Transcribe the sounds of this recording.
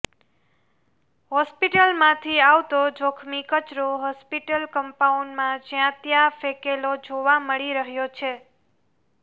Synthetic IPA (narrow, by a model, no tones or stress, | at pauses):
ɦɔspiʈəlmãt̪ʰiaʋt̪od͡ʒokʰmikət͡ʃɾoɦɔspiʈəlkəmpauɳɖmãd͡ʒjãt̪jafekelod͡ʒoʋaməɭiɾəɦjot͡ʃʰe